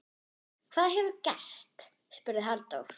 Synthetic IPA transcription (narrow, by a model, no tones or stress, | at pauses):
kʰv̥aːðaɦɛvʏcɛ̰st̪ | spʏɾðɪɦalt̪o̰wɾ̥